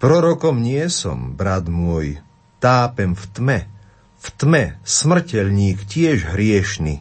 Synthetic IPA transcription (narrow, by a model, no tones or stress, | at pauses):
pɾɔɾɔkɔmɲɪɛsɔ̰mbɾad̪mʊɔj | t̪aːpɛmft̪mɛ | ft̪mɛsmr̩cɛlɲiːkcɪɛʒɦɾɪɛʃnḭ